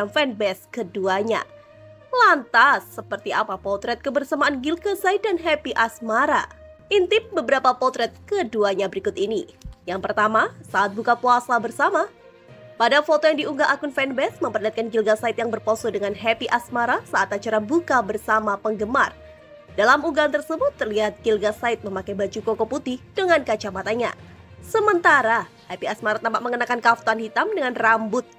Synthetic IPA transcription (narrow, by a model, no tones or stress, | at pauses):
afɛnbɛskəduaɲa̰ | lant̪asːəpərt̪iapapɔt̪ɾɛt̪̚kəbərsamaʔanɡilɡasait̪̚danɦɛpiʔasmaɾa̰ | ʔint̪ɪp̚bəbəɾapapɔt̪ɾɛt̪̚kəduaɲabəɾikʊt̪inijaŋpərt̪amasaːt̪̚bukapuasabərsama | padafot̪ɔjaŋdiuŋɡaʔakʊnfɛnbɛsməmpərliɦat̪̚kanɡilɡasaɪt̪jaŋbərposɔdəŋanɦɛpiʔasmaɾasaat̪at͡ʃaɾabukabərsamapəŋɡəmar | dalamuɡant̪ərsəbʊt̪ːərliɦat̪̚ɡ̥ilɡasaɪt̪̚məmakajbad͡ʒukokɔput̪ihd̥əŋankat͡ʃamat̪aɲa̰ | səmənt̪aɾa | hɛpiasmaɾat̪ampaʔ̚məŋənakankaft̪anhit̪amdəŋanrambʊt̪̚